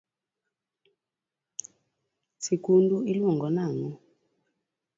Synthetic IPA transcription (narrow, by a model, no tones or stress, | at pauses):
sikunduilwɔŋɡɔnaŋɔ